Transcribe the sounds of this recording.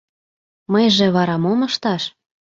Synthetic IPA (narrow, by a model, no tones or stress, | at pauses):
məjʒĕβɑɾɑmomɤʃt̪ɑʃ